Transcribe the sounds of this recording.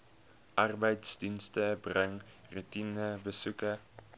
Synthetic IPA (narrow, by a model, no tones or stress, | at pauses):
ʔarbɛjtsdinstəbrɛŋrʉtinəbəsʉkə